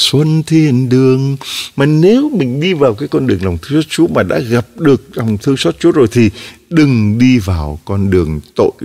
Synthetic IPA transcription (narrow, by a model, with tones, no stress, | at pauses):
swə˧nt̪ʰi˧˩ənɗɨ˨˩əŋmaː˨˩ne˨˦wmï˨˩ŋ̟ɗi˧vaː˨˩wkaː˨˦jkɔ˧nɗɨ˨˩əŋla˨˩wŋ͡mt̪ʰɨ˧ŋsɔː˦˥t̚t͡ɕu˨˦əmaː˨˩ɗa̰ː˧˥ɣa˨˩p̚ɗɨ˨˩ək̚la˨˩wŋ͡mt̪ʰɨ˧əŋsɔː˦˥t̚t͡ɕu˨˦zo˨˩jt̪ʰi˨˩ɗɨ˨˩ŋɗi˧vaː˨˩wkɔ˧nɗɨ˨˩əŋt̪o̰˧˨j